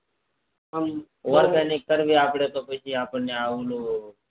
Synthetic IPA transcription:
ɦəm | ʋəɾɡaːnik̚ːəɾʋiːaːpɽet̪oːpət͡ʃʰiːaːpəneaːuːloː

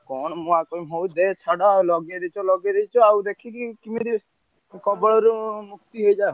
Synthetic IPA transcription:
kɔɳmũakɔimɦoud̪et͡ʃʰaɽalɔɡeɾet͡ʃʰɔlɔɡeɾet͡ʃʰɔawd̪ekʰikikimiɾi | kɔbɔɭɔɾumukt̪iɦoid͡ʒa

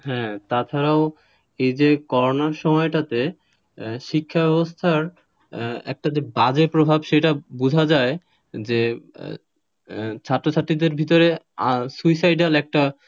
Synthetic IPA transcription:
ɦɛ̃t̪at͡ɕʰaɾao | ejd͡ʑekɔɾonaɾʃɔmɔeʈat̪e | ʃikʰːabɛbost̪ʰaɾ | ɛ̰k̚ʈad͡ʑebad͡ʑepɾobʱabʃeʈabud͡ʑʱad͡ʑae | d͡ʑe | t͡ɕʰaʈːɾot͡ɕʰaʈːid̪eɾbʱit̪oɾe | asuisajɖalɛk̚ʈa

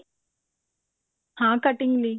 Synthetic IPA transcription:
hãːkɐʈiŋli

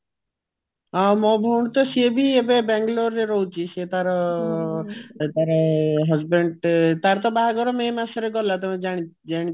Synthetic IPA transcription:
ɔmɔ̃bʱɔwɽ̃t̪ɔsebʱiebebɛŋɡloɾːeɾɔut͡ʃʰiset̪aɾɔ | t̪aɾɔɦɔzbeɳɖt̪aɾt̪ɔbaɦaɡɔɾɔmemasɔɾeɡɔlat̪ɔmed͡ʒaɽ̃i | d͡ʒaɽ̃i

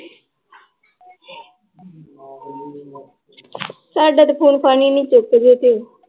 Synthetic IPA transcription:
saːɖaːt̪epʰuːnpʰaːniːnĩːt͡ʃoked͡ʒ̪eːt̪eː

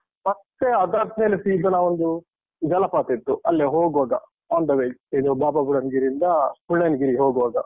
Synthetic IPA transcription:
mɐt̪ːeɐd̪aɾt̪neːlesiːd̪ɐnaʋond̪u | d͡ʒɐlɐpaːt̪et̪ːuɐlːeɦoːɡʋaːɡɐ̰ | aːnd̪ɐʋeid̪ubaːbabuɽɐnɡiɾind̪ɐpuɭːɐnɡiɾiɦoːɡʋaːɡɐ

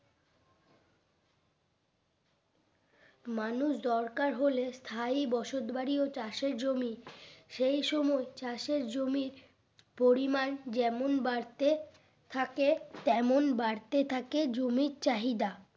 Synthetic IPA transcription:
manuʃd̪ɔɾkaɾɦolest̪ʰajbɔʃod̪baɾiot͡ɕaʃeɾd͡ʑomiʃejʃɔmɔet͡ɕaʃeɾd͡ʑomiɾ | poɾimand͡ʑɛmonbaɾt̪e | t̪ʰaket̪ɛmonbaɾt̪et̪ʰaked͡ʑomiɾt͡ɕaɦid̪a

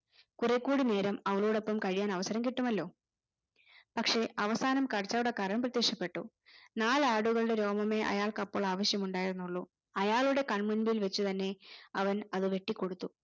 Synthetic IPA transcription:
kurekːuːɽine̞ːɾɐmɐʋɐɭuːɽo̞pːɐmkɐɻijaːnɐʋɐsɐɾɐmkiʈːumɐlːo̞ː | pɐkʂe̞ʔɐʋɐsaːnɐmkɐrɐt͡ɕːaːjuɽekɐɾɐɳɐmprɐt̪jekʂɐpːe̞ʈːṵ | naːlaːɽuɣɐɭuɽe̞ɾo̞ːmɐme̞ʔɐ̰jaːɭkɐpːoːɭaːʋɐɕjɐmuɳɖaːjiɾunːuɭːu | ɐjaːɭuɽe̞kɐɳmunbijilʋɐt͡ɕːut̪ɐnːe̞ɐʋɐnɐðɨʋeʈːikʲːo̞ɽut̪ːu

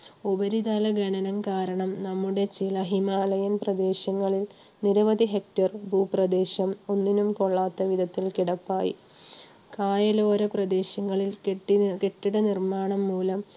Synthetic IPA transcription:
ubɐɾid̪aːlɐɡɐɳɐnɐmkaːɾɐɳɐmnɐmːuɽe̞t͡ɕilɐɦimaːlɐjɐnprɐd̪e̞ːɕɐŋːɐɭil | niɾɐʋɐd̪iɦe̞k̚tɐrbʱuːprɐd̪e̞ːɕɐmo̞nːinumko̞ɭːaːt̪ːɐʋid̪ʱɐt̪ːilkiɽɐpːaːjḭ | kaːjɐlo̞ːɾɐprɐd̪e̞ːɕɐŋːɐɭilkeʈːike̞ʈːiɽɐnirmaːɳɐmːuːlɐm

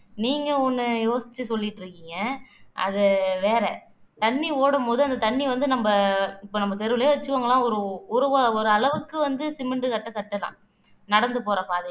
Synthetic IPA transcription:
niːŋɡɐɔnːɯjoːsɪ̥t͡ʃːɯsɔlːɪʈːɾɯkːɪːŋɡɐɐðɯʋeːɾɛ | t̪ɐɳːioːɽɯmpoːðɯɐnd̪ɐt̪ɐɳːiʋɐnd̪ɯnɐmbɐɪpːoːnɐmːɐt̪ɛɾɯʋɯlɐjʋɐt͡ʃːɯʋɐːŋɡɐlãːɔɾɯʊɾɯʋɐɔɾɯɐlɐʋɯkːɯʋɐnd̪ɯsɪmɛɳɖɯkɐʈːɐkɐʈːɐlã̰ː | nɐɽɐnd̪ɯpoːɾɐpːaːɐðɐ

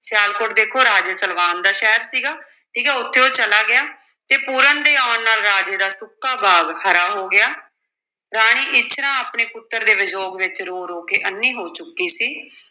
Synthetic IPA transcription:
sjaːlkʊʈd̪eːkʰoːɾaːd͡ʒeːsəlʋaːnd̪aːʃɛːɾsiːɡaː | ʈʰiːkɛːʊt̪ʰːeːoːt͡ʃəlaːɡɪjaː | t̪eːpuːɾənd̪eːaːnːaːlɾaːd͡ʒeːd̪aːsʊkːaːbʱaːɡhəɾaːɦoːɡɪjaː | ɾaːɽ̃iːʔɪt͡ʃʰɾãːaːpɳeːpʊt̪ːəɾd̪eːʋɪd͡ʒoːɡʋɪt͡ʃɾoːɾoːkeːʔənːĩːɦoːt͡ʃʊkːiːsiː

